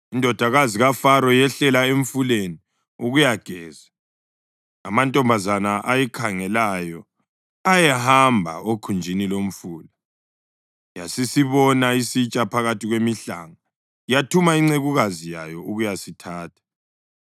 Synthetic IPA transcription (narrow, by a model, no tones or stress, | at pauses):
indʱɔd̥ʱaɣaziɣafaɾɔjɛɬɛlaeɱfuleni | uɣujaɡ̥ʱɛːza | a̰mantʼɔmbʱazanaʔajɛkʰaŋɛlajɔ | ajɛhambʱa̰okʰund͡ʒʱinilom̩fuːla | ja̰sisiβɔnaisit͡ʃʼapʰaɣatʰiɣwemiɬa̰ːŋa | jatʰumaiŋ͡ǀeɣuɣazija̰jɔuɣujasitʰaːtʰḁ